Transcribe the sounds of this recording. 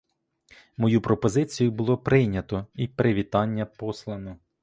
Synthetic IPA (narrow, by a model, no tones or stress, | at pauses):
mɔjupɾɔpɔzɪt͡sʲijʊbʊlˠɔpɾɪjnʲɐt̪ɔipɾɪʋʲit̪ɑnʲːɐpɔslˠɐnɔ